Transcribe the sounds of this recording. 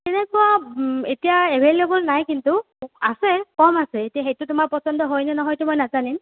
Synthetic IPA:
tɛnɛkɔaetijaebʱelebɔlnajkintu | asɛkɔmasɛetijaxejtʊtʊmaɹpɔsɔndɔɦojnɛnɔɦɔjtumɔjnazanim

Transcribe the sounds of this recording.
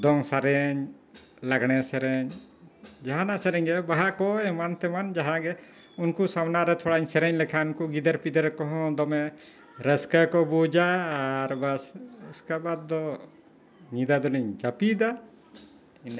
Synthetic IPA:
d̪ɔŋsaɾɛɲ | laɡɳɛsɛɾɛɲ | d͡ʒaɦanasɛɾɛɲɡɛbaɦakɔɛmant̪ɛmand͡ʒaɦãɡɛ | unkusawnaɾɛt̪ʰɔɽaɲsɛɾɛɲlɛkʰaunkuɡid̪əɾpid̪əɾɛkɔɦɔ̃d̪ɔmɛ | ɾəskakɔbud͡ʒaːɾbasskabad̪̚ːɔ | ɲid̪ad̪ɔlɛɲd͡ʒapid̪a | in

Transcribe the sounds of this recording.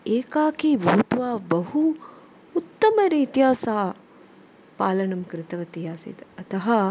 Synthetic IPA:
eːkaːkibuːt̪ʋaːbɐɦuː | t̪ːɐmɐɾiːt̪jaːsaː | paːlɐnɐmkɾɪt̪ɐʋɐt̪ijaːsḭt̪ɐt̪ɐɦɐ

